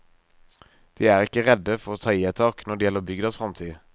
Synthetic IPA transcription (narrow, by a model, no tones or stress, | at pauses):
d̪̥iːæːʁɪkəʁɛd̪əfɔʁoːt̪ʰɑːiːɛt̪ʰɑːknɔdɖɛːjɛlːəʁbʏɡd̪əsfʁɑmt̪ʰiː